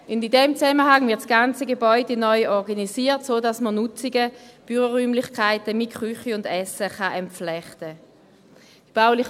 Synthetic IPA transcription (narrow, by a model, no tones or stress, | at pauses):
ʊndidɛmt͡sɛməhaŋvɪɐtsɡ̥ant͡səɡebɔʏdenɔʏʔɔʁɡanisiːtsoːdasmənʊt͡siɡəb̥yʁəʁyːmlɪχkʰaɪtəmɪtkχʁyχiʊndɛsəχaʔɛmflɛχtə | d̥ib̥aʊlɪχ